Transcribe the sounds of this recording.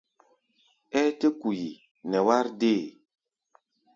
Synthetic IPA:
ɛ˦te˦ku˨ji˨ | nɛ˨wa˦ɾde˦˨

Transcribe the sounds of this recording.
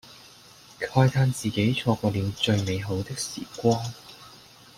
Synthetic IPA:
kʰɔː˧jt̪ʰaː˧nt͡siː˨ke˨˥jt͡ʃʰɔː˧kɔː˧liː˨˧wt͡sɵ˧ɥme˨˧jɦo˨˥wt̪ɪ˥k̚sḭː˨˩kʷaː˥n

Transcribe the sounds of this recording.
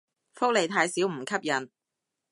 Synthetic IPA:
fʊ˥k̚le˨˧jt̪ʰaː˧jsiː˨˥wm̩˨˩kʰɐ˥p̚jɐ˨˩n

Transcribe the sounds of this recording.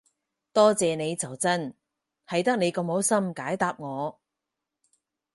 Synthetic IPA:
t̪ɔː˥t͡sɛː˨˧ne˨˧jt͡sɐ˨˩wt͡sɐ˥n | hɐ˨jt̪ɐ˥k̚ne˨˧jkɔ˧mho˨˥wsɐ˥mkaː˨˥jt̪aː˧p̚ŋɔː˨˧

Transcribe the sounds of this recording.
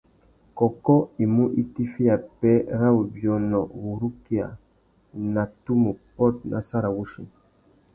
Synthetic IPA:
kɔ˨kɔ˦i˨mu˦ʔi˦ti˦fi˦a˨pɛ˦ɾa˦wu˨bjɔ˨nɔ˨wu˨ɾu˦ki˦a̰˨ | na˨tu˦mu˨pɔ˦˨t̚nʔa̰˨sa˦ɾa˨wu˦ʃḭ˨

